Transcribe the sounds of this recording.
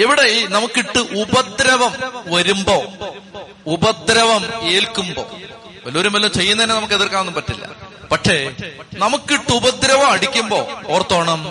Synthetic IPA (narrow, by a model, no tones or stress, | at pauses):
iʋiɽe̞inɐmukːiʈːɨʔubɐd̪ɾɐʋɐmʋɐɾumbo̞ː | ubɐd̪ɾɐʋɐme̞ːlkːumbo̞̰ | ʋɐloːɾumɐlːɐmt͡ɕe̞jːunɐðinːenɐmukːeðirkaːnːumpɐtːilːɐ̰pɐʈʂe̞nɐmukːiʈːɨubɐd̪ɾɐʋɐmɐɽikʲːumbo̞̰ːoːrt̪ːoːɳɐm